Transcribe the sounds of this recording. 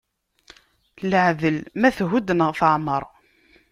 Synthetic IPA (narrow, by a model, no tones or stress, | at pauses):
ləʕðəlmæθɦud̪ənəʁθəʕməɾˤ